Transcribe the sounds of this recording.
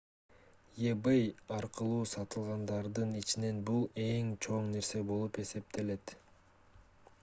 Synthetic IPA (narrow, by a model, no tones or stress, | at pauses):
jebejɑɾqɯlˠuːsɑt̪ɯlˠʁɑnd̪ɑɾd̪ɯnit͡ʃine̞nbulˠe̞ŋt͡ʃʰo̞ɴne̞ɾse̞bo̞lˠupe̞se̞p̚t̪e̞le̞t̪